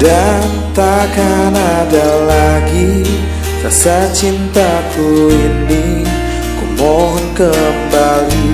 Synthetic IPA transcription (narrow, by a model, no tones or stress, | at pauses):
dan | t̪akanadalaɡi | sasat͡ʃint̪akuindi | kumɔɦnkəmbali